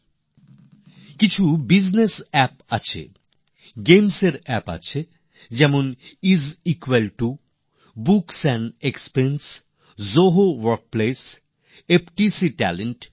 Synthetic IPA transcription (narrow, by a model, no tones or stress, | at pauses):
kit͡ɕʰubid͡ʑnesɛpa̰t͡ɕʰḛ | ɡemseɾɛpa̰t͡ɕʰe | d͡ʑɛmonizikwelʈu | buksɛnekspens | zoɦowoɾk̚ples | epʈisiʈɛ̰leɳʈ